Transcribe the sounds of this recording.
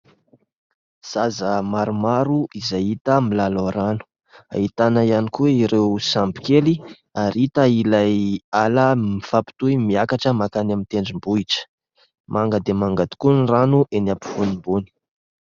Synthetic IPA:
z̥azəmaɾumaɾuʔizajit̪əmilaloɾanu̥ | a̰it̪anaianikuweiɾewsampi̥keli | aɾit̪əilajaləmifapi̥t̪uimiakaʈ͡ʂəmakanamint̪eɳɖ͡ʐimbuiʈ͡ʂə̥ | maŋɡəd̪emaŋɡat̪u̥kunranuʔenapi̥funimbuni̥

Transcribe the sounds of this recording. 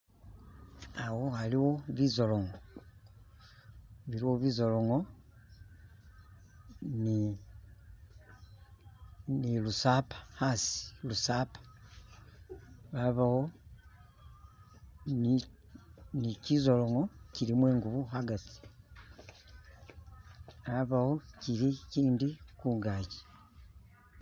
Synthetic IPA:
awohaliwoβizoloŋo | βiɾiwoβizoloŋo | ni | nilusapḁhasi̥lusaːpḁ | βaβaho | n | nicizoloŋo̞cilimweːŋɡuβuɦaɡat͡si̥ | βaβawo̞ciɾiciːndikuːŋɡaːci̥

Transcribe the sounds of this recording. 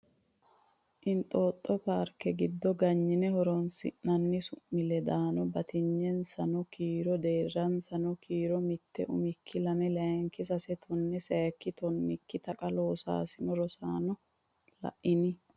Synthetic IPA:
ʔɪnt̪ʼoːt̪ʼːɔpaːɾkːɛɡɪd̪ːɔɡɐɲːɪnɛhɔɾɔnsɪ̰ʔːɐnːɪsʊʔɪlɛd̪aːnɔbɐt̪ʰɪɲːɛnsɐnɔkʰiːɾɔd̪eːrːɐnsɐnɔkʰiːɾɔmɪt̪ːɛ̰ʔʊ̰mɪkʰːɪlɐmɛlɐŋkːɪsɐsɛt̪ʰɔnːɛsɛkːɪt̪ɔnːɪkːɪt̪ɐkʼɐlo̞ːsa̰ːsɪnɔɾɔsaːnɔ | lɐ̰ʔɪnɪ

